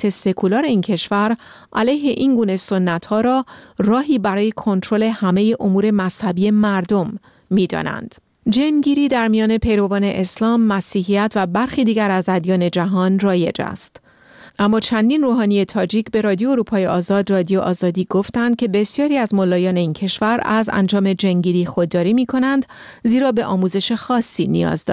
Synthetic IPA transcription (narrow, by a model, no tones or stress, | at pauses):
e̞se̞kʰulɒːɾe̞iːncʰe̞ʃvæɾ | ʔælæjɦe̞ʔiŋɡuːne̞sonːæt̪hɒːɾɒːrɒːɦiːbæɾɒːje̞kʰo̞nt̪ʰɾole̞hæme̞je̞ʔo̞muːɾe̞mæshæbiːe̞mæɾd̪o̞mː | iːd̪ɒ̰ːnæ̰nd̪̥ | d͡ʒenɟiːɾiːd̪æɾmijɒːne̞pʰe̞jɾo̞vɒːne̞ʔeslɒːmːæsiːɦijæt̪ʰvæbæɾxiːd̪iːɟæɾæzæd̪jɒːne̞d͡ʒæɦɒːnrɒːje̞̰d͡ʒæ̰st̪ | ʔæmːɒːt͡ʃʰænd̪iːnroːɦɒːnije̞t̪ʰɒːd͡ʒiːcʰbe̞ɾɒːd̪ijooɾuːpʰɒːjeʔɒːzɒːd̪rɒːd̪ijoʔɒːzɒːd̪iːɡoft̪ænd̪̥̚cʰe̞be̞sjɒːɾiːæzmolːɒːjɒːne̞iːncʰe̞ʃvæɾæ̰zæ̰nd͡ʒɒːme̞d͡ʒeŋɟiːɾiːxo̞d̪ːɒːɾiːmiːkʰo̞nænd̪ | ziːɾɒːbe̞ʔɒːmuːze̞ʃe̞xɒːsːiːnḭjɒ̰ːzd̪ɒ̰